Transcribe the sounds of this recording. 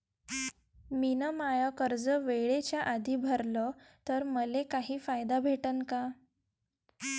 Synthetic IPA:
minəmajəkəɾd͡zəʋeɭet͡ɕjaʔad̪ʱiːbʱəɾlə | t̪əɾməlekaɦiːfajd̪abʱeʈənka

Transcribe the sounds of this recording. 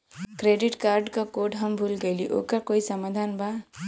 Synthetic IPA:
kɾeɖiʈkaɾɖkakoɖɦəmbʱulɡəjliʔo̰kakoisəmad̪ʱanba

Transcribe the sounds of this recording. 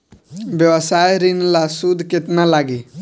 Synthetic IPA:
bjəʋəsajɾinlasud̪ʱkɪt̪nalaɡi

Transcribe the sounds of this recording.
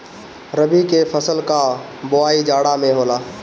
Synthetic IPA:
ɾəbikeːfʰəsəlkaː | bʊaːid͡ʒaːɽamẽɦoːlaː

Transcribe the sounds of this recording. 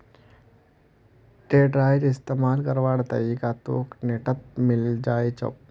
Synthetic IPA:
ʈeːɖɾaːjɾɪst̪eːmaːlkəɾʋaːɽt̪ɐ̰ɾiːkat̪o̰ːkneːʈət̪̚mɪld͡ʒaːet͡ʃə̰

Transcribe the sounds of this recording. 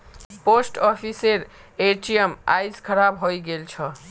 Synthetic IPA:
posʈɔpʰiseɾeʈijemajd͡zkʰʌɾabɦojɡelt͡sʰʌ

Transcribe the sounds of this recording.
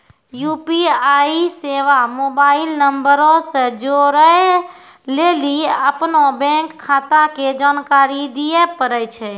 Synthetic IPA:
juːpiaːiseːʋamoːbaːɪlnəmbəɾõsed͡ʒoɾəɦe | leːliəpnobɛ̃ːŋkʰːaːt̪aked͡ʒaːnkaːɾid̪ijepəɾəjt͡ʃʰɛ

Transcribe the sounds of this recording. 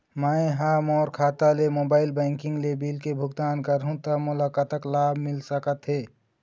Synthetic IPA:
məeɦamɔːɾkʰaːt̪alemoːbaːɪlbə̃ːŋkɪ̃ŋɡlebilkebʱʊɡt̪aːnkəɾɦũt̪əmʊlakət̪əklaːbʱmɪlsəkət̪ɦeː

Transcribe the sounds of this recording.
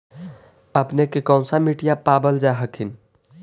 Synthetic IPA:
əpnekekɔ̃ʊ̃samiʈijapabəld͡ʒaɦəkʰin

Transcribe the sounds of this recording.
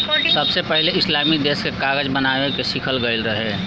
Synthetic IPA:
səbsepəɦleɪslaːmid̪eːskekaːɡəd͡ʒbənaːʋekeʃɪkʰəlɡəɪlɾəɦeː

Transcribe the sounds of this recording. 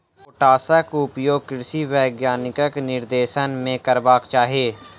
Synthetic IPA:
ʊʈaːsəkʊpjoːɡ̚kɪɾsiʋɛːɡjaːnɪkəknɪɾd̪eːʃənmẽkəɾbaːkt͡ʃaːɦieː

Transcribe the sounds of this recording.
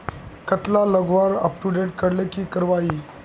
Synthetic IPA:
kət̪laləɡʋaɾə̰pʈuɖeʈ̚kəɽlekiːkəɾʋai

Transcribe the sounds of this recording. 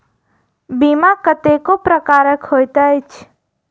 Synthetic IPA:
bimakət̪ekopɾəkaːɾəkhoːjt̪ajt͡ʃʰ

